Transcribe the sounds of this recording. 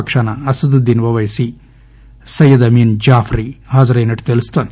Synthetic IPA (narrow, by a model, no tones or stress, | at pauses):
kʂaːnɐɐsud̪ud̪inʋɐʋɐjsi | sɐjɐd̪ɐmiːnd͡ʒaːfʰɾiɦaːd͡ʒɐɾɐinɐʈt̪elist̪an